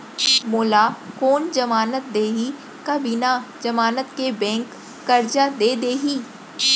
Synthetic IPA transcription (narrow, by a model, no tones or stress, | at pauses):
moːlakoːnd͡ʒɐmaːnət̪̚d̪eːɦi | kabɪnad͡ʒɐmaːnət̪kebɛ̃ːŋkː | ɐɾd͡ʒad̪eːd̪eːɦiː